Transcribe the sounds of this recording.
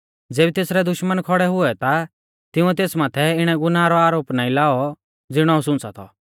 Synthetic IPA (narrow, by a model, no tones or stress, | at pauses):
d͡zeːbit̪eːsɾɛd̪ʊʃmənkʰɔɽɛɦʊɛt̪a | t̪ɪʊ̃ɛt̪eːsmaːt̪ʰɛɪɽ̃ɛɡʊnaːɾɔaːɾoːpnaːĩlaːɔ | d͡zɪɽ̃ɔusʊ̃nt͡sat̪ʰɔ̰